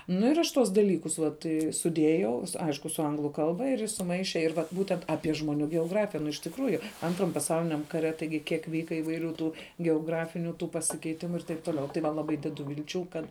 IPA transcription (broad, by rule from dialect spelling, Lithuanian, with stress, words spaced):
nʊ ɪr ˈɐʃ ˈtuɔs dɐˈlʲiːkʊs ˈʋɐt ɪ sʊˈdʲeːjɛʊ ˈɐɪʃkʊ sʊ ˈɐŋɡlˠʊ ˈkɐlˠbɐ ɪr ˈjɪs sʊˈmɐɪʃʲɛ ɪr ʋɐt ˈbuːtʲɛnt ˈɑːpʲiɛ ʒmoːˈnʲuː ɡʲɛoːˈɡrɑːfʲɪjɛ nʊ ɪʃ tʲɪkˈruːjʊ ˈɐntrɐm pɐˈsɐʊlʲɪnʲɛm ˈkɑːˌrʲɛ tɐɪˈɡʲɪ ˈkʲiɛk ˈʋʲiːkɐ iːʋɐɪˈrʲuː ˈtuː ɡʲɛoːˈɡrɑːfʲɪnʲʊ ˈtuː pɐsʲɪkʲɛɪˈtʲɪmʊ ɪr tɐɪp ˈtoːˌlʲɛʊ tɐɪ ˈʋɐ lˠɐˈbɐɪ ˈdʲæːdʊ ʋʲɪlʲˈt͡ʃʲuː ˈkɐt